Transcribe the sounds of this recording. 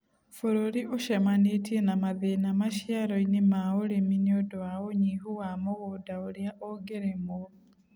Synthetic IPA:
fuɾoɾiʔuʃemanitʰienamaðenamaʃjaɾoinimaoliminiodoawoɲiɦuwamoɣodaoljaʔoɡeɾemo

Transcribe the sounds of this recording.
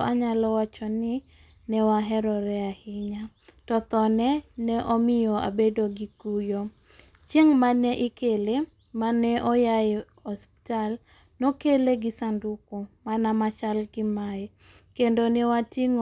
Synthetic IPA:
ʔaɲalɔwat͡ʃɔnɪ | nɛwaɦɛɾɔɾɛahɪɲatɔt̪ɔnɛnɛʔɔmɪjɔʔa̰bedoɡikujo | t͡ʃjeŋmanɛʔɪkele | manɛʔɔja | ɔspi̥tal | nokeleɡɪsandukomanamat͡ʃalɡɪmaɛ | kendonɛwatiŋ

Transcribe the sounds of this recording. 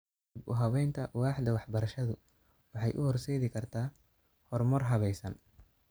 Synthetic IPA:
dbʊ̰ɦɐβɛjnt̪ʰɐwɑːħd̪ɐwɑħbɐɾɐʃɐðʊ | wɑħɑjʔʊhɔrsɛjðɪkʰɐrt̪ʰaː | hɔrmɔrɦɐβɛjsɐn

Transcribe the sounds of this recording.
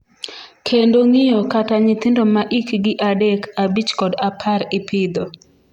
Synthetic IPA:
kʰendoŋɪjokataɲɪt̪ɪndomaʔikɡɪʔadekʰabit͡ʃkɔdapʰaɾɪpʰɪd̪o

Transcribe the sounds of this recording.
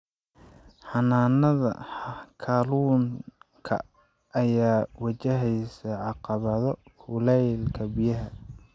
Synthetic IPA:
ħɑnaːnɐðɐ̰kʰaːluːŋkʰɐ̰ː | jaːwɐt͡ʃɐɦɛjsɐʕɑqɑβɐðɔkʰʊlɛjlkʰɐbɪjɐɦɐ

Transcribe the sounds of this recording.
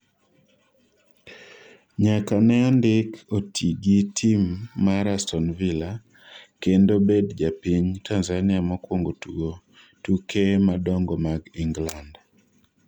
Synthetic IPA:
ɲakanɛandɪkotʰiɡitʰimːaɾastɔnvila | kendobedd͡ʒapiɲtʰanzanɪamɔkwoŋɡotuɡo | tukʰemadɔŋɡɔmaɡiŋɡland

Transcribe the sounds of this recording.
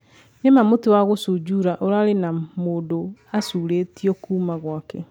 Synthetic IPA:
nemamotiwaɣosud͡ʑuɾaʔoɾaɾenamoːndoasuːɾeːtiɔkuːmaɣwakɛ

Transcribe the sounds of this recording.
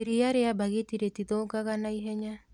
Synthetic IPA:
iɾiaɾeabaɣetiɾetiðoɡaɣanaiɦɛɲa

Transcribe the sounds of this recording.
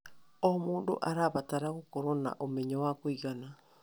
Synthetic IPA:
omuːndo̰ʔaɾaβataɾaɣokoɾona̰ʔomeɲawakoiɣana

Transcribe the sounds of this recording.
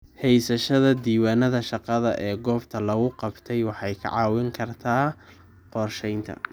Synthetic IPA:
hɛjsɐʃɐðɐd̪iːwaːnɐðɐʃɑqɑðɐʔɛːɡɔːbt̪ʰɐlɐɣʊqɑbt̪ʰɛjwɑħɑjkʰɐ̰ʕɑːwɪŋkʰɐrt̪ʰaː | qɔrʃɛjnt̪ʰɐ̰

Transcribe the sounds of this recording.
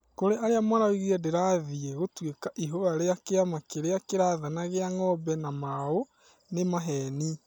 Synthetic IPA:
koɾeʔaɾeamwanaoiɣiɾɛdeɾaðieɣotwekaʔiɦoɾaɾeakeamakeɾeakeɾaːðanaɣeaŋɔbɛnamao | nemaɦɛni

